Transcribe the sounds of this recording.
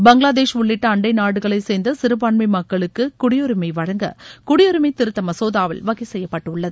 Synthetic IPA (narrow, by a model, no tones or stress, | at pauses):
bɐŋɡɭaːðeːʂʊɭːɪʈːɐɐɳɖɐɪnaːɽɯɣɐɭɐɪseːnd̪ɐsɪɾɯpaːɳmɐɪmɐkːɐɭɯkːɯkʊɽɪjɔɾɯmɐɪʋɐɻɐŋɡɐ̰kʊɽɪjɔɾɯmɐɪt̪ːɪɾɯt̪ːɐmɐsoːðaːʋɐ̰lʋɐɣɐɪsɛjːɐpːɐʈːɯʊɭːɐðɯ